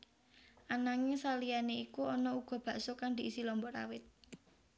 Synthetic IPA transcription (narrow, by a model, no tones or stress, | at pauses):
ʔanaŋesalijaneikuɔnɔuɡ̥ɔ̤b̥ä̤ʔsokaŋd̪i̤ʔisilɔmbɔɾa̰wɪt̪̚